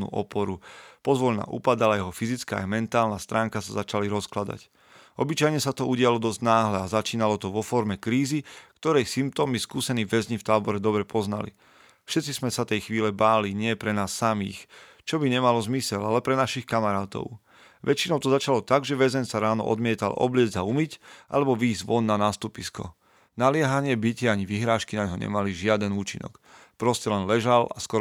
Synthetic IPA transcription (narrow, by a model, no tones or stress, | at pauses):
nṵʔɔ̰pɔɾupɔzʋɔʎna̰ːʔṵpad̪alajɛɦɔfizit͡skaːa̰jmɛnt̪aːlnast̪ɾaːŋkasazat͡ʃaliɾɔsklad̪a̰c | ɔbit͡ʃajɲɛsat̪ɔuɟɪalɔd̪ɔzɟnaːɦlɛazat͡ʃiːnalɔt̪ɔʋɔfɔɾmɛkɾiːzikt̪ɔɾɛjsimp̚t̪ɔːmiskuːsɛniːʋɛzɲift̪aːbɔɾɛd̪ɔbɾɛpɔzna̰lḭ | fʃɛt̪t͡sizmɛsat̪ɛjxʋiːlɛbaːliɲɪɛɛpɾɛnaːsːamiːx | t͡ʃɔbiɲɛmalɔzmisɛlalɛpɾɛnaʃixkamaɾaːt̪ɔ̰ʊ | ʋɛt͡ʃinɔʊt̪ɔzat͡ʃalɔt̪aɡʒɛʋɛzɛnsaɾaːnɔ̰ʔɔ̰d̪mɪɛt̪a̰lɔ̰blɪɛd͡zaumicʔa̰lɛbɔʋiːzʋɔnːanaːst̪upiskɔ̰ | nalɪɛɦaɲɪɛbicɪɛaɲiʋiɦɾaːʃkinaɲɦɔɲɛ̰maliʒɪad̪ɛnuːt͡ʃḭnɔ̰kpɾɔscɛlɛnlɛʒala̰skɔɾ